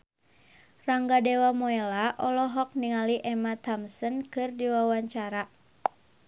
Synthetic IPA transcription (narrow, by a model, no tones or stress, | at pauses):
raŋɡadɛwamɔɛlaʔɔlɔɦɔk̚niŋaliʔɛmat̪ɔmsɔnkɨrdiwawaɲt͡ʃaɾa